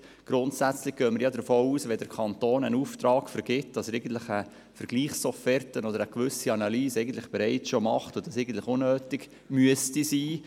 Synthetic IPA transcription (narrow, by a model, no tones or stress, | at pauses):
ɡ̥ɾʊntsæt͡slɪχɡ̥œːməɾjɑd̪əfoːuːsʋɛd̥əɾkʰɑntoːnənuːftrɑːkfəɾɡ̥ɪtd̥ɑsɾɛɪɡən̩t̪lɪχə | fəɾɡ̥liːχsɔfɛrtənɔdəɾəkʋʏsiɑnɑliːsɛɪɡən̩t̪lɪχb̥ɛɾɛɪt͡sʃomɑχtʊd̥ɑsɛɪɡən̩tlɪχʊnːøːtɪɡ | myəstisiː